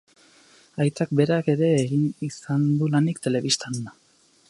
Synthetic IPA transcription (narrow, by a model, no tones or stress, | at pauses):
ajt͡sak̚be̞ɾake̞ɾe̞ːɣinisand̪ulanikt̪e̞le̞βist̪anna